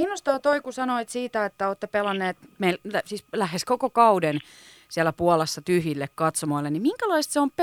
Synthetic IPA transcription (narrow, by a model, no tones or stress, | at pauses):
inːost̪ɑːt̪oikusɑnoit̪siːt̪æet̪ːæoːt̪ːepelɑnːeːt̪meillæsiːslæheskokokɑuden | siælːˑæpuɑlesːɑt̪yhjilːekkɑt̪somoilːennimiŋkælɑist̪seomp